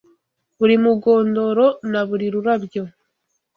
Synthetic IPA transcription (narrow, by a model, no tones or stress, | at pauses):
βuɾimuɡo̞ːndo̞ɾo̞naβuɾiɾuɾabjo̞